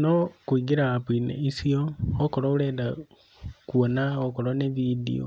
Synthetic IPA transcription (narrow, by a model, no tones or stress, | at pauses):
nokwiːɡiɾaːpinḛisiookolouleːda | kuonaokolaneβidḭo̰